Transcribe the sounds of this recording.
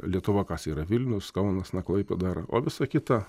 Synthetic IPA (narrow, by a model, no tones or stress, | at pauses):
lʲiɛt̪ʊʋɐkɑsiːɾɐʋʲɪlʲnʲʊskɐʊnɐsnɐklˠɐɪpʲɛd̪ɑːɾɐʔo̰ːʋʲɪsɐkʲɪt̪ɐ